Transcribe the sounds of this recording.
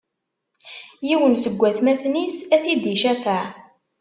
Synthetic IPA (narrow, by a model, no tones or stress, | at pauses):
jiwənsəɡʷːæθmæθnisæθid̪iʃæfəʕ